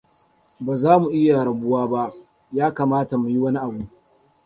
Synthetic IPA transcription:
baː˨zaː˦mu˨ʔɪ˦ja˨ɽɐ˨bʊ˦waː˦ba˦ʔ | jaː˦kaː˨maː˦ta˨mu˨ji˦wɐ˦ni˦ʔa˨buː˦

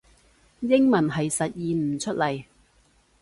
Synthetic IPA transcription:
jɪ˥ŋmɐ˨˩nɦɐ˨jsɐ˨t̚jiː˨nm̩˨˩t͡ʃʰɵ˥t̚lɐ˨˩j

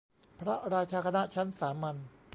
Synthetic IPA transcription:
pʰɾa˦˥ɾaː˧t͡ɕʰaː˧kʰa˧na˦˥t͡ɕʰa˦˥nsaː˩˦ma˧n

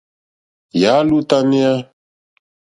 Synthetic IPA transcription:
ja˨˦lu˦t̪a˦ni˦a˦

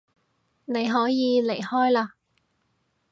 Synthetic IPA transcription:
ne˨˧jɦɔː˨˥jiː˨˧le˨˩jhɔː˥jlaː˧

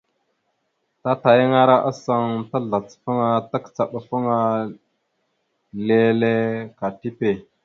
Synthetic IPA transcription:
ta˦ta˨jə˦ŋa˦ɾa˦ʔa˦sa˦ŋta˦ɮa˨t͡sfə˦ŋa˦ta˦kt͡sa˨ɓa˨fə˦ŋa˦ | le˦le˦ka˨ti˦pe˨

